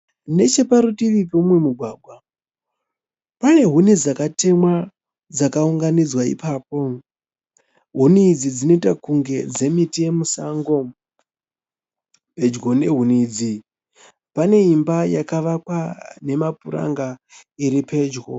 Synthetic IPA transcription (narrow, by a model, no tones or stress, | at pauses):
ne̞t͡ʃe̞paɾutiʋipeumwe̞muɡʱwaːɡʱwa | pane̞ɦune̞d͡zakate̞mwa | d͡zakauŋɡanid͡zwaḭpaːp̚o̞ | ɦunid͡zid͡zino̞itakuŋɡe̞d͡ze̞mitije̞musaŋɡo̞ | pe̞d͡ʒɡo̞ne̞ɦunid͡zi | pane̞imbajakaʋakwane̞mapuɾa̰ŋɡaiɾipe̞ːd͡ʒɡo̞̰